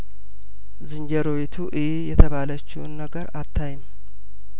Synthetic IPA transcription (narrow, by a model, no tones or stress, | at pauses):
zɨɲd͡ʒəɾowet̪ʰuʔɨjejɛt̪ʰəβalət͡ʃːɪwnːəɡəɾat̪ʰːajɪm